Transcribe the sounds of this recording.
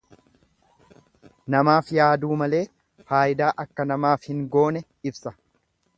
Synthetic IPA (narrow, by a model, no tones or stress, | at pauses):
nɐmaːfjaːd̪uːmɐle̞ː | faːʔɪd̪aːʔɐkːɐnɐmaːfhɪŋɡo̞ːnɛ | ɪbsɐ